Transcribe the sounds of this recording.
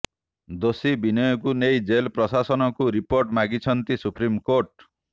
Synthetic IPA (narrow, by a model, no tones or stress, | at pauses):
d̪osibinɔjɔkunejd͡ʒelpɾɔsasɔnɔkuɾipoɾʈmaɡit͡ʃʰɔnt̪isupɾimkoɾʈ